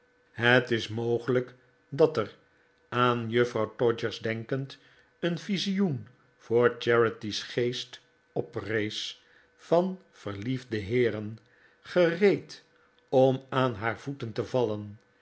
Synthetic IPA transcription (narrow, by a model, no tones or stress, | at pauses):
ɦətɪsmowχələk | dɑtər | aːnjøfrɑwtɔd͡ʒəɹzdɛŋkənt | ənfizijun | v̥ʊːɹt͡ʃɛɹətisχejst | ɔprejs | fɑn | v̥əɹlivdəɦɪːɾən | χərejt | ɔmaːnɦaːɹvutəntəvɑlən